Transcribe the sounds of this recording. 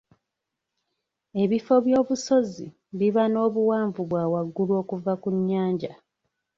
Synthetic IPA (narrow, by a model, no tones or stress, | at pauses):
e̞βifo̞βjo̞ːβuso̞zi | βiβano̞ːβuwaːɱvuβwaːwaɡːuluo̞ːkuvakuɲːaːɲɟa